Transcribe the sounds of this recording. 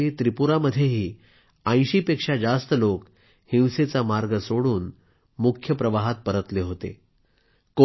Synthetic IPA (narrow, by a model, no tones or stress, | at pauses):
et̪ɾipuɾaməd̪ʱːjeɦiː | ə̃j̃ɕiːpekʂad͡zast̪əlok | hĩwset͡samaɾɡəsoɽuːn | mukʰjəpɾəʋaɦat̪̚pəɾət̪leɦot̪ḛ | ko